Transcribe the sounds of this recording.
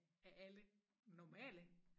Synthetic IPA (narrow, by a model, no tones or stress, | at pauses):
æʔælə | nɒmɛ̰ːlə